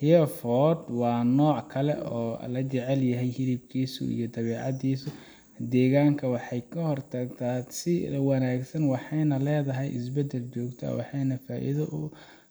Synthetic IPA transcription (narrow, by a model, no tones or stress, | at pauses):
hɪɐfɔːd̪wɑːnɔːʕkʰɐlɛ̰ʔɔːlɐt͡ʃɛʕɛljɐɦɛjhɪɾib̚kʰiːsʊ̰ʔḭjɞd̪ɐβɛːʕɑðiːsʊ | d̪ɛːɣaːŋkʰɐwɑħɑjkʰɐhɔrt̪ʰɐɡt̪ʰaːsɪwɑnaːɡsɐnwɑħɑjnɐlɛːðɐɦɛjʔɪ̰sbɛd̪ɛlt͡ʃɔːɡt̪ʰɐ̰wɑ̰ħɑjnɐfaːʔḭðɐʔʊ